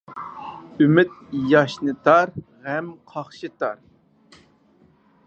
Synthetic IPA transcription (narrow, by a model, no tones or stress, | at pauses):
ymɪt̪̚jɑʃnɨt̪ʰɑɾ | ʁæmqʰɑχʃɨt̪ɑɾ